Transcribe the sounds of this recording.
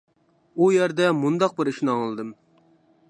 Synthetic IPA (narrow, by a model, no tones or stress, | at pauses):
ujæɾd̪ɛmund̪ɑq̚bɪɾiʃnɨɑŋlˠɨd̪ɨm